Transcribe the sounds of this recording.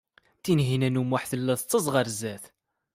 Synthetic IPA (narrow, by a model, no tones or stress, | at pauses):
θinɦinænumaħθəlːæθt͡sˤːəzˤʁəɾzæθ